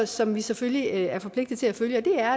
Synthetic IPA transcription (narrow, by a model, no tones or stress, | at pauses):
sɒ̽mʋiseføljiæɐfɒ̽pʰle̝ɡ̥d̥ð̩ˠt͡sʰe̝læføljəɒ̽d̥e̝æɐ